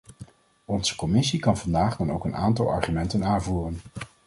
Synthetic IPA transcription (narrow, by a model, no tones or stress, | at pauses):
ɔnz̥əkɔmɪsikɑnvɑndaːχdɑno̰wkəna̰ːntɑ̰lˠɑ̰ɹχymɛntənaːnvuːrən